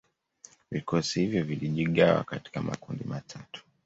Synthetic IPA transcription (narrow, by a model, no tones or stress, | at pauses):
vikɔsihivjɔviliʄiɠawa̰kati̥kama̰kundimatʰatu̥